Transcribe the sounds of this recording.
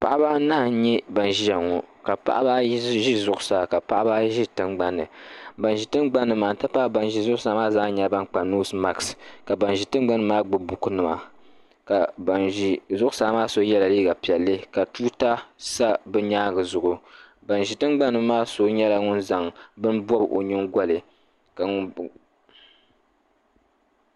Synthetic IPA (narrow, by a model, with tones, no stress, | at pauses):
pa̰˨ʔa˦ba˦na˦hɲɛ˦ba˨nʒi˦ja˨ŋɔ˨ka˨pa̰˦ʔa˦ba˦ʒi˦zʊ˦ʔʊ˦sa˨ka˨pa˦ʔa˦ba˦ʒi˦tɨ˦mɡ͡ba˦nːɨ˨ba˨nʒi˨tɨ˦nɡ͡ba˦nːɨ˨maː˨n˦tɨ˦pa˦ba˨nʒi˨zʊ˦ʔʊ˦sa˦maː˦zaː˦ɲa˦ba˦nk͡pa˨noː˦sma˨kska˨ba˨nʒi˨tɨ˦n˦ɡ͡ba˦nɨ˦maː˦ɡ͡bɨ˨bʊ˨ku˦nɨ˨ma̰˨ | ka˨ba˨ni˨zʊ˦ʔʊ˦sa˨˦maː˦so˦jɛ˦la˨liː˦ɡa˨pi˨ɛ˨lːɨ˦ka˨tuː˦ta˦sa˦bɨ˦ɲaː˦ɡɨ˨zʊ˨ʔʊ˨ | ba˨nʒi˨tɨ˦ŋ͡mɡ͡ba˦nːɨ˨˦maː˦so˦ɲɛ˦la˦ŋʊ˦nza˨ŋbɨ˦nbɔ˦bʔo̰˨ɲɨ˦ŋɡʷa˦lɨ˨ | ka˨ŋ˦